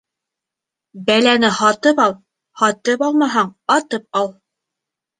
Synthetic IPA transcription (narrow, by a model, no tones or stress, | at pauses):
bælænɘhɑt̪ɤpɑlˠ | hɑt̪ɤpɑlˠmɑɦɑɴɑt̪ɤp̚ɑlˠ